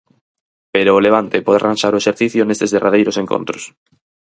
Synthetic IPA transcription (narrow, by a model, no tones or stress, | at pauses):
peɾoːleβ̞ant̪epoða̰rãnʃaɾoeʃeɾθiθjonest̪ezðerað̞ejɾoseŋko̰nt̪ɾos